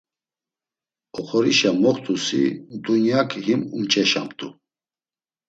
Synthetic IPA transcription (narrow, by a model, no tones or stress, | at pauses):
ɔχɔɾiʃamɔχt̪ʰʼusḭd̪unjakʼʰɦimumt͡ʃʼɛʃa̰mt̪ʼu